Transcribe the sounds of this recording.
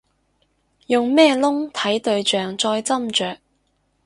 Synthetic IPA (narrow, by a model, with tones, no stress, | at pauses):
jʊ˨ŋmɛː˥lʊ˥ŋt̪ʰɐ˨˥jt̪ɵ˨ɥt͡ʃœː˨ŋt͡sɔː˧jt͡sɐ˥mt͡ʃœː˨k̚